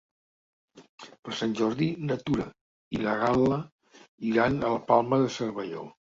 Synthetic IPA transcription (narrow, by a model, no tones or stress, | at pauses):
pəɾsanʲʒɔɾðinət̪uɾə | iləɣalə | iɾanələpalˠməðəsəɾβəʎo̰